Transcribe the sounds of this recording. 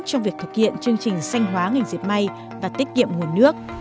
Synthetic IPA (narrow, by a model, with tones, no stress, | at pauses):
t͡ɕɔ˧wŋ͡mvi˨˩ək̚t̪ʰɨ˨˩k̚hḭ˧˨ənt͡ɕɨ˧əŋt͡ɕï˨˩ŋ̟sa˧jŋ̟ɦwaː˨˦ŋa˨˩jŋ̟zi˨˩p̚ma˧j | vaː˨˩t̪i˦˥k̟̚ŋḭ˧˨əmŋu˨˩ənɨ˦˥ək̚